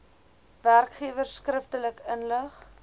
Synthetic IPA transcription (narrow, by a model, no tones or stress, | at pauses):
værkχiəvərskrəftələkənləχ